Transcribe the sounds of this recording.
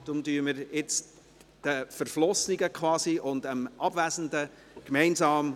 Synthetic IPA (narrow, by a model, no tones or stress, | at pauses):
d̥ʊmdyːəməɾɪt͡s | d̥əfəɾflɔsniɡəkχʋɑːsiʔʊndəmʔɑbvæzən̩də | kmɛɪnsɑːm